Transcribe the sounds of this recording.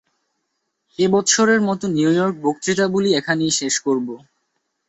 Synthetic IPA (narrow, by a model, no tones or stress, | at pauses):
ebɔtːʃʰoɾeɾmɔt̪oniujɔɾk̚bok̚t̪ɾit̪abuliekʰanejʃeʃkoɾbo